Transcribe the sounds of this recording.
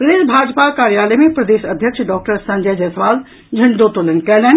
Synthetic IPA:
pɾɐd̪eːʃbʱaːd͡ʑpakaːɾjaːləmẽpɾɐd̪eːsɐd̪ʱjəkʃɖɔːk̚ʈəɾsɐ̃ɲd͡ʑɛd͡ʑɛsʰʋaːl | d͡ʒʱɐɳd̪oːt̪olɐnkɛːlɛːn

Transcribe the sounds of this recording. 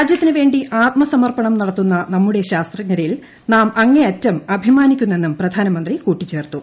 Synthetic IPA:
d͡ʑjɐt̪ːinɨʋe̞ːɳɖiʔaːt̪mɐsɐmɐrpɐɳɐmnɐɽɐt̪ːunːɐnɐmːuɽeɕaːst̪rɐŋːɐɾɐjil | naːmɐŋːeɐtːɐmɐbʱimaːnikʲːunːe̞nːumprɐd̪ʱaːnɐmɐnd̪rikuːʈːit͡ɕːe̞ːrt̪u

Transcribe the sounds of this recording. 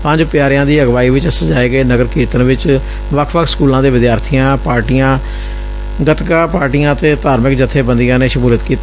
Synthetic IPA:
pə̃ɲd͡ʒpɪjaːɾjãːd̪iːəɡʋaːiːʋɪt͡ʃəsəd͡ʒaːeːɡəeːnəɡəɾkʰeːt̪əɾnʋɪt͡ʃ | ʋəkʰʋəkʰskuːlãːd̪eːʋɪd̪jaːɾt̪ʰiːãːpaːɾʈijãː | ɡət̪kãːpaːɾʈijãːt̪eːt̪aːɾmɪkd͡ʒət̪ʰːeːbənd̪ijãːneːʃəmuːlət̪kiːt̪ː

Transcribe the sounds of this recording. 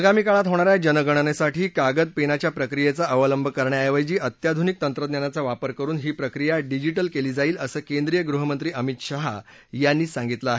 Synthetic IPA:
əɡamiːkaɭat̪ɦoɽ̃aɾjad͡ʑənəɡəɳ̃ənesaʈiːkaɡəd̪̚penat͡ɕjapɾəkɾijet͡saʔəʋələmbʱəkəɾɳjajaʋəjd͡ʑiːʔət̪jad̪ʱunik̚t̪ənt̪ɾəd̪njanat͡saʋapəɾkəɾuːnɦiːpɾəkɾijaɖid͡ʑiʈəlkeliːd͡zaiːləsəːkẽnd̪ɾijəɡɾuɦəmənt̪ɾiːʔəmit̪ɕaɦa̰ | janːiːsãŋɡit̪laaɦe

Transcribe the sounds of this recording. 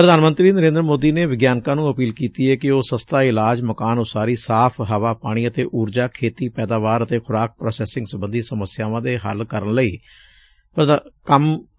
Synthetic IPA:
pɾəd̪aːnmə̃nt̪ɾiːnəɾẽːnd̪ɾəmoːd̪iːneːʋɪɡjaːnkãːnũːəpiːlkiːt̪iːɛːkɪoːsəst̪aːɪlaːd͡ʒməkaːnoːsaːɾiːsaːpʰɦəʋaːpaːɽ̃iːət̪eːʔuːɾd͡ʒaːkʰeːt̪iːpɛːd̪aːʋaːɾət̪eːkʰʊɾaːk̚ʰpɾoːsɛːsɪ̃ŋɡsəbənd̪iːsəməsjaːʋãːd̪eːɦə̰lkəɾəɳləḭː | pəkəm

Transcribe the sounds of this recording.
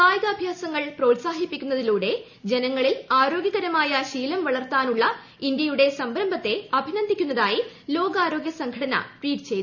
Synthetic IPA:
paːjɐɡɐːbʱjaːsɐŋːɐɭpro̞ːʈsaːɦipːikʲːunːɐðiluːɽe̞ | d͡ʑe̞nɐŋːɐɭilaːɾo̞ːɡjɐɣɐɾɐmaːjɐɕiːlɐmʋɐɭɐrt̪aːnuɭːɐ | ind̪jɐjuɽe̞sɐmbɾɐmbʱɐt̪ːe̞ɐbʱinɐnd̪ʱikʲːunːɐðaːjilo̞ːɡaːɾo̞ːɡjɐsɐŋɡʱɐɽɐnɐ̰ʈwiːʈɨt͡ɕe̞j̪u

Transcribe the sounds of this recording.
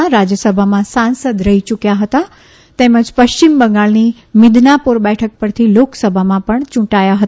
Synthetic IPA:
ɾad͡ʑjəsəbʱamãsãnsəd̪ɾəɦit͡ʃʊkjaɦət̪a | t̪ɛ̃ːmə̃d͡ʒpəʃt͡ɕɪmbə̃ŋɡaɭni | mɪd̪ʱnapuɾbɛʈʰək̚pəɾt̪ʰiloksəbʱamãpəɳt͡ʃʊ̃ʈajaɦət̪

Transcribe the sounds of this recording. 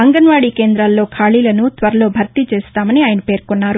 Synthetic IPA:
ɐŋɡɐnʋaːɽiːke̞ːnd̪ɾaːlːo̞ːkʰaːɭiːlɐnut̪ʋɐɾɐlo̞ːbʱɐɾt̪it͡ʃeːst̪aːmɐniaːjɐnɐpe̞ːɾkunːaːɾu

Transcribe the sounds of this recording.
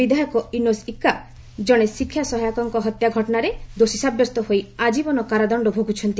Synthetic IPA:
id̪ʱajɔkɔinosikːa | d͡ʒɔɽ̃esikʰːjasɔɦajakɔŋkɔɦɔt̪jaɡʱɔʈɔnaɾed̪osisabjɔst̪ɔɦojad͡ʒibɔnɔkaɾad̪ɔɳɖɔbʱoɡʱut͡ʃʰɔnt̪i

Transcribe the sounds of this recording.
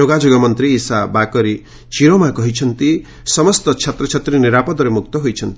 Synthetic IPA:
oɡad͡ʒoɡɔmɔnt̪ɾiːsabakɔɾi | t͡ʃiɾomakɔɦit͡ʃʰʌnt̪i | sɔmɔst̪ɔt͡ʃʰat̪ɾɔt͡ʃʰat̪ɾiniɾapɔd̪ɔɾemuk̚t̪ɔɦojt͡ʃʰʌnt̪i̥

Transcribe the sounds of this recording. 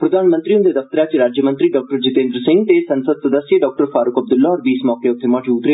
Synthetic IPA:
pɾəd̪aːnmə̃nt̪ɾiʊ̃nd̪eːd̪əft̪əɾaːt͡ʃɾaːd͡ʒjəmə̃nt̪ɾiːɖɔːk̚ʈəɾd͡ʒɪt̪ẽːnd̪ɾəsɪ̃ŋɡt̪esə̃nsəd̪̚səd̪əsːieɖɔːk̚ʈəɾfʰaːɾʊkəb̚d̪ʊlːaːɔːɾbiːsmɔːkeːʊt̪ʰːemɔːʈuːd̪ɾe

